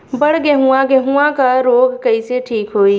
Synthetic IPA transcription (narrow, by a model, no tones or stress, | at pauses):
bəɽ̤ɡeɦuãɡeɦuãkaɾoːɡkɐiseʈʰiːkɦoːi